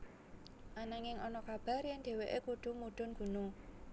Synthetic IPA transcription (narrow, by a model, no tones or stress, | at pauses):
ʔanaŋɪŋɔnɔkab̥a̤rjɛŋɖ̪̥e̤weʔekuɖ̪̥ṳmuɖ̪̥ʊ̤nɡ̥ṳno